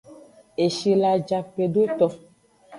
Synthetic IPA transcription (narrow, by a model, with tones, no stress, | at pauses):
e˨ʃi˨la˨d͡ʒa˨pe˨ɖo˦t̪ɔ˦